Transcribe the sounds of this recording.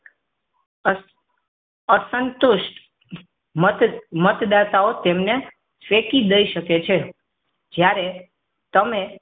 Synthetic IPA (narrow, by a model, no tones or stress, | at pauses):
əsənt̪uʃʈ | mmət̪d̪at̪aot̪emne | sʋekid̪əiʃəket͡ʃʰe | d͡ʒjaɾe | t̪əme